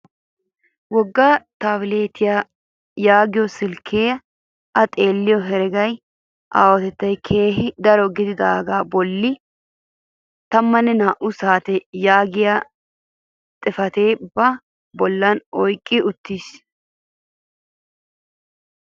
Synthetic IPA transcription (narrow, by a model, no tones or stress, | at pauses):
wɔɡːaːt̪aːwɪle̞ːt̪ʰɪja | jaːɡɪjɔsɪlkʰeː | ʔɐt̪ʼe̞ːlːɪjɔɦɛɾɛɡɐj | ʔaːwɐt̪ɛt̪ːɐjkʰe̞ːɦɪd̪ɐɾɔɡɪd̪ɪd̪aːɡaːbɔlːɪ | t̪ɐmːɐnːɛnaːʔʊsaːt̪ɛjaːɡɪja | t̪ʼɪfɐt̪e̞ːbɐ | bɔlːɐnɔjkʼːɪʊt̪ːiːs